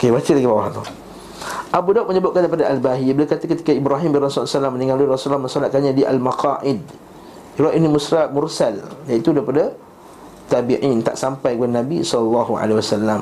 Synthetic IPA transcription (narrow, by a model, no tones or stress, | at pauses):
okebat̪ilaɡibawaɦt̪u | ʔabudaʔ̚məɲəbaʔ̚kandajpadaʔalbaɦibilakat̪akət̪i̥kaibɾaɦimbinrasulsalamːəniŋaluirɔsulamə̃nsɔlat̪̚kanɲãdiʔa̰lmaqaʔɪd̪̚ | ɾaʔinimusɾaʔmursaljait̪udaɾipada | t̪abiʔint̪a̰ʔsampajɡuanːãbisɔllːɑɦua̰lewasalːam